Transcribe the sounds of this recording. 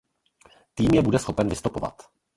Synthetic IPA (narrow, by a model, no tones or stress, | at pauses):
t̪iːmjɛbudɛsxo̞pɛnvɪst̪upo̞va̰t̪